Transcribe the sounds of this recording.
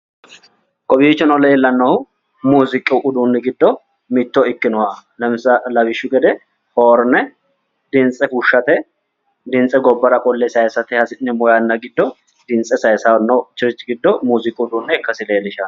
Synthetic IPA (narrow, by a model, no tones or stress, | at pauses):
kʼɔbiːt͡ʃːɔnɔlɛɛlːɐnːɐhʊ | muːzɪkʼːɪʔʊd̪unːɛɡɪd̪ːɔ | mɪt̪ːɔɪkːɪnʊwɐlɐmsɐlɐbɪʃːʊɡɛd̪ɛ | hoːɾnɛ | d̪ɪnt͡sʼːɛkuʃːɐt̪ɛ | d̪ɪnt͡sʼɛɡɔbːɐɾɐkʼɔlːɛsɐjsɐt̪ɪhɐsɪnɛmɔjɐnːɐɡɪd̪ːɔ | d̪̥ɪnt͡sʼːɛsɐjsawnːɐwt͡ʃɪɾɪt͡ʃʼːɪɡɪd̪ːɔmuːzɪkʼːɪʊd̪uːnːɛɪkːɐsɪleːlɪʃɐ